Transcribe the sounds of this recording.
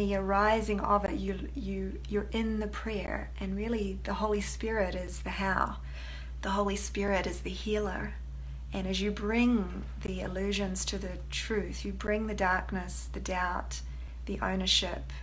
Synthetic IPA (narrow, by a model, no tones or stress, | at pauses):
ðiə˞aɪzɪ̃ŋʌ̰vɨ̰tə | jɨ | jə˞ʔɪ̃nðɨpʰɹ̥ɛɹ | ʔɨ̃nɹɪlˠiðɨhoʊlˠispɪɹɪɾɪzðɨhaʊ | ðəɦoʊlˠispɪɹɪɾɨzðɨhilˠə̰˞ | ʔɨ̃nɨzjɨbɹɪ̃ŋ | ðiɪlʉʒɨ̃nz̥tʰɨðɨtʰɹ̥ʉθjɨbɹɪ̃ŋðɨdɑɹknɨsðɨdaʊt̪̚ | ðiʔõ̰ʊ̃nə˞ʃɪp